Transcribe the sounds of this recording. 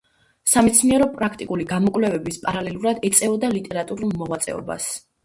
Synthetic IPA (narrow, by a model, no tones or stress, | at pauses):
samɛt̪sʰniɛɾɔpʼɾakʰt̪ʼikʼuliɡamɔkʼvlɛvɛbispʼaɾalɛlˠuɾad̪ɛt̪sʼɛɔd̪alit̪ʼɛɾat̪ʼuɾulˠmɔʁwat̪sʼɛ̰ɔ̰ba̰s